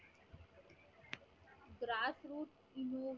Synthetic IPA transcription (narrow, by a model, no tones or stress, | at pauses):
ɡɾaːsɾuːʈ | inoːʋ